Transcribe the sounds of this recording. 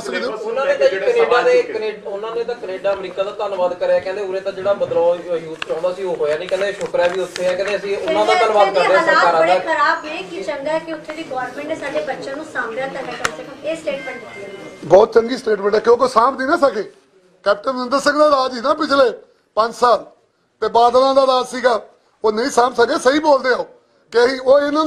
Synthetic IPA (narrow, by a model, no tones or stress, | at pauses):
səkd̪eʊnãːneːt̪ãkəneːɖaːd̪eːkəneːɖʊnãːnẽːt̪ãːkəneːɖaːmɾiːkaːd̪aːt̪ənʋaːd̪kəɾeɛːkɛ̃ːnd̪eːʊɾẽːt̪ãːd͡ʒeːɽaːbəd̪laːjuːt̪̚ʰt͡ʃɔ̃ːnd̪aːəsĩːoːɦoːjaːnĩːkɛ̃ːnd̪eʃʊkɾaːʋiːʊt̪ʰːeːɛ̃ːkɛ̃nd̪eːəsĩːʊnãːd̪aːənʋaːd̪kəɾd̪eaːaɾabəɽekəɾaːbnẽːkit͡ʃəŋɡaːɛkɪʊt̪ʰːeːd̪iːɡɔːɾnmẽːɳʈːsaːɖeːbətːʃãːnũːsaːmaːt̪ãːnːkəsəkẽeːsʈeːʈmẽːɳʈːbɔːt̪̚t͡ʃəŋɡiːsʈeːʈmɛ̃ːɳʈɛːkjõoːkeoːsãːpd̪iːnãːsəkeː | kɛːp̚ʈənnənd̪əɾsɪŋɡd̪aːd̪aːd͡ʒiːnaːpɪt͡ʃʰleː | pəɲd͡ʒsaːl | t̪eːbaːd̪nãːd̪aːd̪aːd͡ʒsiːɡaː | oːnəĩːsãːmpsəkeːsəiːboːld̪eːaoː | keɦiːoːɪnãː